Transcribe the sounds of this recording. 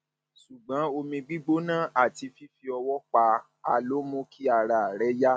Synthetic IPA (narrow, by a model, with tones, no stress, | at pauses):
su˨ɡ͡bã˨˦o˧mĩ˧ɡ͡bi˦ɡ͡bo˦nãː˦˨ʔa˨ti˧fi˦fi˧ɔ˧wɔ˦k͡pa˧ | a˨lo˨˦mõ˦ki˦a˦˨ɾa˨ɾɛ˦ja˦